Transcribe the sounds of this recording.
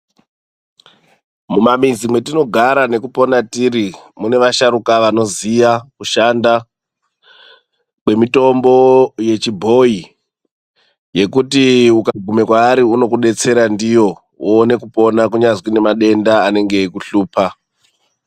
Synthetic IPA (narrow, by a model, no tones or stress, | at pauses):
mumamizimwe̞tino̞ɡʱaɾane̞kupo̞natiɾimune̞ʋaʃaɾukaʋano̞zijakuʃanda | kwe̞mito̞mbo̞je̞t͡ʃibʱo̞i | je̞kutiukaɡʱume̞kwaːɾiuno̞kuɗe̞t͡se̞ɾandijo̞ | uːne̞kupo̞nakuɲazwine̞maɗe̞ndaːne̞ŋɡe̞kuɬuːpʰa